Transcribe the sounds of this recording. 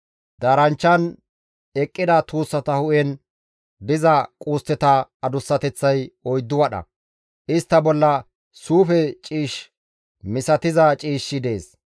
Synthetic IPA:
d̪aːɾɐnt͡ʃːɐn | ɛkʼːɪd̪ɐt̪uːsːɐt̪ɐhʊʔɛn | b̪ɪzɐkʼuːst̪ːɛt̪ɐɐd̪ʊsːɐt̪ɛt͡sːɐjɔjd̪ːʊwɐɗɐ̰ | ʔɪst̪ːɐbɔlːɐ | suːfɛt͡ʃʼiːʃ | mɪsɐt̪ɪzɐt͡ʃʼiːʃːɪd̪e̞ːs

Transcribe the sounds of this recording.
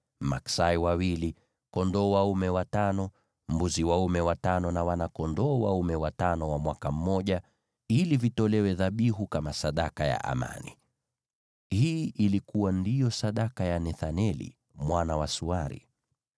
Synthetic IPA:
ma̰ksaiwawili | kɔndɔːwaumɛwatanɔ | m̩buziwaumɛwatanɔnawanakɔndɔːwaumɛwatanɔwamwakam̩ːɔʄa | ilivitɔlɛwɛðaɓiɦukamasaɗakaja̰ʔa̰ma̰ni | hiːʔilikuwandijɔsaɗakajanɛθanɛlḭ | mwanawasuaɾḭ

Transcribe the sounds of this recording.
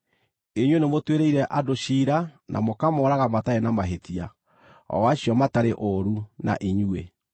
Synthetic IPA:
eɲwenemotweɾeiɾɛʔadoʃiːɾanʔa̰mokamɔɾaɣamataenamaɦetia | ɔ̰waɕjɔmataɾeʔoɾuna̰ʔeɲuḛ

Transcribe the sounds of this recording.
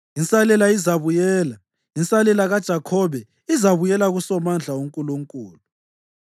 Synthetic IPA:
insʼalɛlaizaβujɛːla | insʼalɛlaɣad̥ʒ̥ʱakʰɔβɛ | izaβujɛlaɣusɔmand͡ɮʱauŋkʼuluŋkʼuːlu

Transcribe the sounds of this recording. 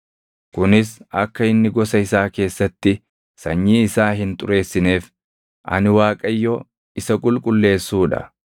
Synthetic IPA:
kʊnɪsɐkːɐɪnːɪɡɔsɐɪsaːke̞ːsːɐt̪ːɪ | sɐɲːiːɪsaːɦɪnt̪ʼʊɾe̞ːsːɪne̞ːf | ʔɐ̰nɪwaːkʼɐjːɔ | ɪsɐkʼʊlkʼʊlːe̞ːsːuːᶑɐ̰

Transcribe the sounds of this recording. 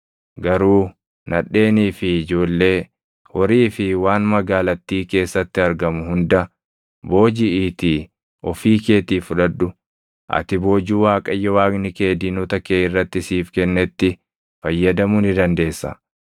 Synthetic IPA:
ɡɐɾuː | nʔɐᶑːe̞ːniːfɪɪd͡ʒo̞ːlːe̞ː | hɔɾiːfɪwaːnmɐɡaːlɐt̪ːiːke̞ːsːɐt̪ːɪɐɾɡɐmʊhʊnd̪ɐ | bo̞ːd͡ʒɪɪt̪iː | ʔɔfiːke̞ːt̪iːfʊᶑɐᶑːʊ | ʔɐ̰t̪ɪbo̞ːd͡ʒuːwaːkʼɐjːɐwaːɡnɪkeːd̪inɔt̪ɐkeːɪrːɐt̪ːɪsiːfkɛnːɛt̪ːɪ | fɐjːɐd̪ɐmʊnɪd̪ɐnd̪e̞ːsːɐ̰

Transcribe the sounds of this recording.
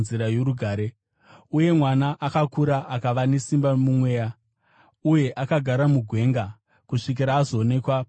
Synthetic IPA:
ziɾajoɾuɡʱaːɾe | uje̞mwanaʔakakuɾaʔakaʋane̞simbamumwe̞ːja | uje̞ʔakaɡʱaɾamuɡʱwe̞ŋɡa | kuʂik̬iɾaːzo̞ːne̞kwa

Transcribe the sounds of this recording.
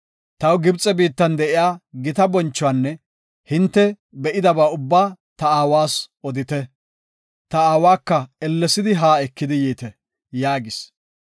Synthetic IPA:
t̪ɐwɡɪbt͡sʼɛbiːt̪ːɐnd̪ɛʔɪjaːɡɪt̪ɐbɔnt͡ʃːʊwanːɛ | hɪnt̪ːɛ | bɛʔɪd̪ɐbaːʊbːaːt̪ɐaːwaːsɔd̪ɪt̪ɛ | t̪ɐaːwaːkːɐɛlːɛsɪd̪ɪɦaːɛkːɪd̪ɪjiːt̪ɛ | jaːɡɪs

